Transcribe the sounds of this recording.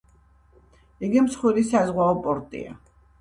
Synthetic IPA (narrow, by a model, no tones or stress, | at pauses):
iɡimsχwiɾisazʁwaɔpʼɔɾt̪ʼḭa̰